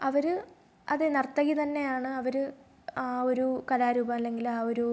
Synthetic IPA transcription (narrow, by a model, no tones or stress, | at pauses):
ɐʋɐɾɨ | ɐ̰ðenɐrt̪ːɐɣit̪ɐnːe̞jaːɳɨɐʋɐɾɨ | aːo̞ɾukɐlaːɾuːbɐmɐlːe̞ŋɡilaːo̞ɾu